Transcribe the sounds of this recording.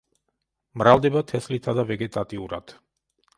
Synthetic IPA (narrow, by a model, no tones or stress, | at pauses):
mɾavd̪ɛbat̪ʰɛslit̪ʰad̪avɛɡɛt̪ʼat̪ʼiuɾa̰d̪̥